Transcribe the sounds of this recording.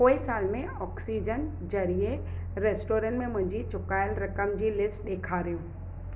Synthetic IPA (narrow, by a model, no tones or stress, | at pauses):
poːɪsaːlmẽɔːksiːd͡ʑən | d͡ʑɐɾie | ɾeːsʈoːɾə̃ɳʈmẽmʊ̃ɦɪ̃ɲd͡ʑit͡ɕʊkaːɪlɾɐkəmd͡ʑiːlɪsʈɗeːkʰaːɾijũː